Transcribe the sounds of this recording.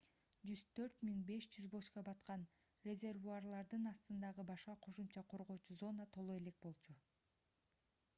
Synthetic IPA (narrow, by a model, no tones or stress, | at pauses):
d͡ʒyz̥t̪ʰø̞ɾt̪miŋbe̞ʃd͡ʒyzbo̞ʃqɑbɑt̪qɑn | rʲe̞zʲe̞rvuɑrlˠɑɾd̪ɯnɑst̪ɯnd̪ɑʁɯbɑʃqɑqʰo̞ʃumt͡ʃɑqʰo̞ɾʁo̞ːt͡ʃuzo̞nɑt̪ʰo̞lˠoe̞le̞k̚bo̞lˠt͡ʃʰu